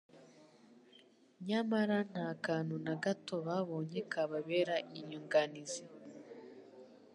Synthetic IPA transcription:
ɲamaɾan̥haːkaːn̥hunaɡato̞βaβo̞ːɲe̞kʰaβaβeːɾaʔiɲuŋɡanizi

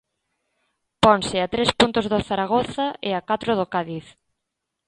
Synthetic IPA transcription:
pɔnsɪat̪ɾespunt̪ʊzðoθaɾaɣ̞oθaɪakat̪ɾʊðokaðiθ

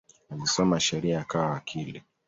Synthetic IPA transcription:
avisɔmaʃɛɾiaakawawakʰili

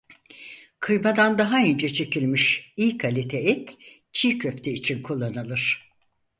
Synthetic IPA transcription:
kʰɯjmad̪and̪aɦaønd͡ʒɛt͡ʃʰe̞cʰilʲmiʃiːkʰalʲit̪ʰeit̪ | t͡ʃʰiːcʰøft̪ʰiːt͡ʃʰinkʰulˠːanɯlˠɯɾ̥

